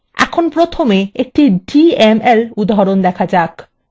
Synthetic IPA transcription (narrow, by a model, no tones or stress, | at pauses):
ɛ̰kʰonpɾot̪ʰomeek̚ʈiɖiemelud̪aɦɾond̪ɛkʰad͡ʑak